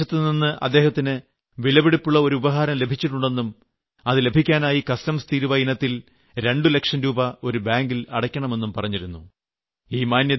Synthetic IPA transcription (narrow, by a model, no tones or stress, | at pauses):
ɐt̪ːɨninːɨʔɐ̰d̪ːe̞ːhɐt̪ːinɨ | ʋilɐbiɽipːuɭːɐo̞ɾuubɐɦaːɾɐmle̞bʱit͡ɕːiʈːuɳɖe̞nːum | ɐðɨle̞bʱikʲːaːnaːjikɐstɐmst̪iːɾuʋɐjinɐt̪ːil | ɾe̞ɳɖule̞kʂɐnɾuːbɐo̞ɾubaːŋɡilɐɽɐkʲːɐɳɐme̞nːumpɐrɐɲːiɾunːu | iːmaːnjɐ